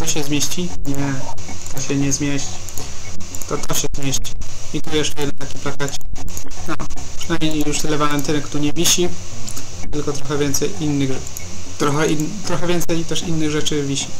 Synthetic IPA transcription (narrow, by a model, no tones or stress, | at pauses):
t̪ɔɕɛzmʲeɕt͡ɕiɲɛt̪ɔɕɛɲɛzmʲjeɕt͡ɕ | t̪ɔt̪ɔɕɛzmʲjeɕt͡ɕi̥ɲɛɡujɛʂjɛd̪ɛnt̪akʲi̥plakat͡ɕɛ̥nɔpʂɛnajmɲejjuʂt̪ɛlɛvalɛnt̪ɘnkt̪uɲɛvʲiɕi | t̪ɘlkɔt̪ɾɔxɛvʲjɛnt̪sɛjinːɘɣʐ | t̪ɾɔxɛint̪ɾɔxɛvʲjɛnt̪sɛjt̪ɛʂinːɘɣʐɛt͡ʂɘvʲiɕi̥